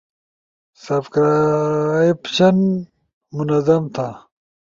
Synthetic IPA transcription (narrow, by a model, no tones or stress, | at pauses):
sɐbkɾa | ipɕɐn | munɐzɐmt̪ʰa